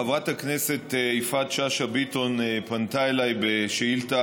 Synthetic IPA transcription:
avʁathaknese̞t̪ejfat̪ʃaʃabito̞npant̪aelajbeʃeilta

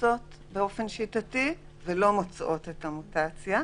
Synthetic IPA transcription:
o̞t | be̞o̞fe̞nʃitati | velo̞mot͡sʔo̞te̞tamutat͡sja

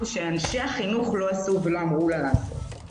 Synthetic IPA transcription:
ʃeanʃeaχinuχlo̞asuvelo̞amʁulaa

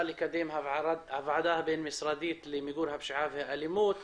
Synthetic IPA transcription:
likad̪eːmɦaɾˤɑd̪ʕavʕad̪aːhabeːnmɪsɾˤɑːd̪iːt̪limɪɡuːlhabʃɪʕaːfhaʔalimuːt̪

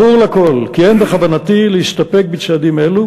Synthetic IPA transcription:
uʁlako̞lkienbeχavanat̪ileiʃt̪apek̚bet͡sad̪imelu

